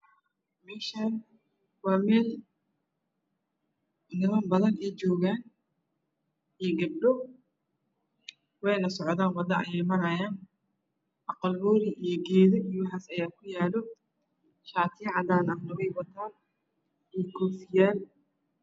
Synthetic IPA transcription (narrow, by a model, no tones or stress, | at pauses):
mɛːʃaːn | wɑːmɛːl | nɪmɐnbɐðɐnɛːt͡ʃɔːɣaːn | ijɡɐb̚ɖɔ | wɛjnɐsɔʕðaːnwɐd̪ɐʔɐjɛjmɐɾɐjaːn | ʔɑqɑlbɔːɾɪʔijɔɡɛːðɔiwħaːsɐjaːkʰʊjaːlɔ | ʃaːt̪ʰiːʕɑd̪aːnɐnɔɣɛjwɐt̪ʰaːn | ijɡʰɔfɪjaːl